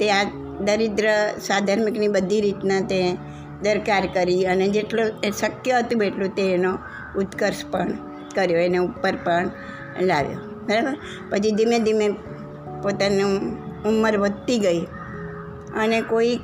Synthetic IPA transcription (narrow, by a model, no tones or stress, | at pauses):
t̪ea | d̪əɾɪd̪ɾəsad̪ʱaɾmiknibəd̪ʱiɾit̪nat̪e | d̪əɾkaɾkəɾiəned͡ʒeʈloʃəkjəɦət̪ũeʈlũt̪eːno | ʊt̪kəɾspəɳ | kəɾjoeneupːəɾpəɳ | laʋjo̰ | bʱəɾabəɾ | pət͡ʃʰid̪imẽd̪ime | pot̪anũumːəɾʋəd̪t̪iɡəi | ənekoi